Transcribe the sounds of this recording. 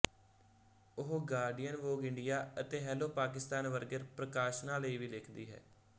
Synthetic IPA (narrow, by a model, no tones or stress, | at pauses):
ʊɦɡaːɾɖijənʋoːɡɪɳɖɪjaːət̪eːɦɛːloːpaːkɪst̪aːnʋəɾɡəɾpɾəkaːʃnãːləiːʋiːlekʰd̪iːɦɛ̰ː